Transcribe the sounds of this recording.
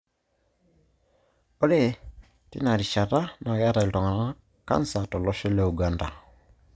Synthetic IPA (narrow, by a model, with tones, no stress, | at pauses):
ɔ˦lɛ˦˨ | tḭ˦na˨ɾi˨ʃa˨ta˦na˨ja˦ɾa˨iltɔ˨ŋa˨na˦ | ka̰˦nsa˨tɔ˨lɔ˦ʃɛ˦lɛ˨u˨ɡa˦nda˨